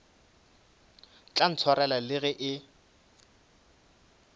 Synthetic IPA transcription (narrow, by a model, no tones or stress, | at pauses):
t͡ɬʼan̩t͡sʰwaɾɛlalɪɣɛʔɪ